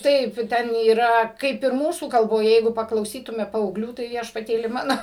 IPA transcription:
ˈtɐɪp ˈtʲɛn iːˈrɐ ˈkɐɪp ɪr ˈmuːsuː kɐlˠboːˈjɛ ˈjɛɪɡʊ pɐklˠɐʊˈsʲiːtʊmʲɛ pɐɐʊˈɡlʲuː tɐɪ ʋʲiɛʃpɐˈtʲeːlʲɪ ˈmɑːnoː

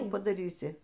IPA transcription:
ˈkuː pɐdɐˈrʲiːsʲɪ

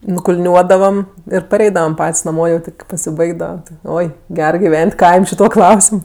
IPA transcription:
nʊkʊlʲˈnʲuɔdɐʋɐm ɪr pɐˈrʲɛɪdɐʋɐm ˈpɐtʲsʲ nɐˈmoː jɛʊ ˈtʲɪ kɐɪ pɐsʲɪˈbɐɪɡdɐʋɐ ˈoːɪ ˈɡʲɛr ɡʲɪˈʋʲɛnʲtʲ ˈkɐɪmʲ ʃʲɪˈtuɔ ˈklˠɐʊsʲɪm

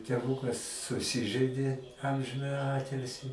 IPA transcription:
tʲɛˈʋuːkɐs sʊˈsʲɪʒɜɪdʲeː ˈɐmʲʒʲɪnɑːjɪ ˈɑːtʲɪlʲsʲɪ

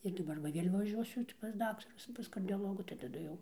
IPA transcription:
ɪr dɐˈbɐr ʋɐ ˈʋʲeːlʲ ʋɐˈʒʲuɔsʲʊ tʲɪ pɐs ˈdɑːktɐrʊs pɐs kɐrʲdʲoːˈlˠoːɡuː tɐɪ tɐˈdʊ jɛʊ

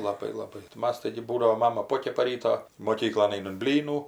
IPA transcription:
lˠɐˈbɐɪ lˠɐˈbɐɪ tɐɪ ˈmɐs ˈtɐɪɡʲɪ ˈbuːdɐʋoː ˈmɑːmɐ ˈpoːkʲɛpɐ ˈrʲiːtoː moːˈkʲiːklˠoːn ˈɐɪnɐm ˈbʲlʲiːnuː

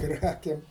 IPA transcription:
ˈkrɑːkʲeːm

